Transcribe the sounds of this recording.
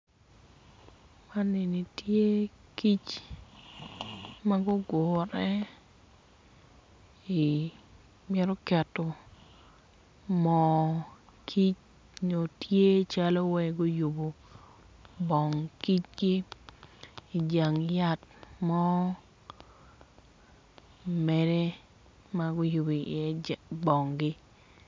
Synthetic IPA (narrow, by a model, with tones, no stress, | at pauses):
ma˦nːɪ˨ni˨tje˦ki˦t͡ʃ | ma˦ɡʊ˦ɡo˨ɾɛ˦ | i˨ | mɪ˦ɾɔ˦kɛ˨to˨ | mɔ | kʰi˦t͡ʃ | ɲo˨tje˦t͡ʃa˦lo˦wɛ˦ɡo˦ju˨bo˨ | bɔ˨ŋki˦t͡ʃɡi˦ | i˨d͡ʒa˨ŋja˦t̚mɔ˦ | mɛ˨dɛ˦ | ma˦ɡo˦ju˨bo˨ḭ˨ɛ˦bɔ˨ŋɡɪ˦